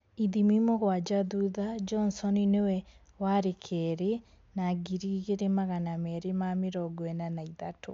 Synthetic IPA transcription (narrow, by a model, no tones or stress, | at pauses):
iðimimoɣwad͡ʒaðuðad͡ʒɔnsɔninewɛ | waɾekʰɛɾe | naɡiɾiɣeɾemaɣanamɛɾemameɾɔɡwɛnanaiðato̰